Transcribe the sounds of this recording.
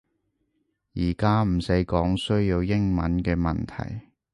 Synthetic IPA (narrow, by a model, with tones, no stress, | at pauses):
jiː˨˩kaː˥m̩˨˩se˨˥jkɔː˨˥ŋsɵ˥ɥjiː˧wjɪ˥ŋmɐ˨˥nkɛː˧mɐ̰˨nt̪ʰɐ̰˨˩j